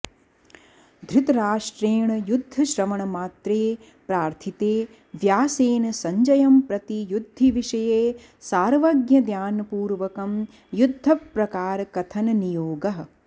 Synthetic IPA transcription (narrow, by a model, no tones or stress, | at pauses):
d̪ʱɾit̪ɐɾaːʂʈɾeːɳɐjud̪ʱːɐʃɾɐmɐɳɐmaːt̪ɾeː | pɾaːɾt̪ʰit̪eː | ʋjaːseːnɐsɐɲd͡ʒɐjɐmpɾɐt̪ijud̪ʱːiʋiʂɐjeː | saːɾʋɐɡjɐd̪jaːnɐpuːɾʋɐkɐm | jud̪ʱːɐpɾɐkaːɾɐkɐt̪ʰɐnɐnijoːɡɐɦɐ̆